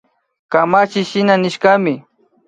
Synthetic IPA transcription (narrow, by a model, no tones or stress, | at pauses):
kamat͡ʃɪʃɪnanɪʃkamɪ